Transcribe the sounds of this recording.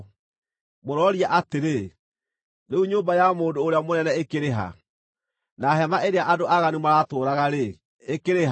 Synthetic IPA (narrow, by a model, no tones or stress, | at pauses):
moɾɔɾiaʔateɾe | ɾeuɲoːmbajamoːdoːɾeamonɛnɛekeɾeɦa̰ | naɦɛmaʔeɾeaʔadoʔaɣanumaɾatoːɾaɣaɾeː | keɾeɦ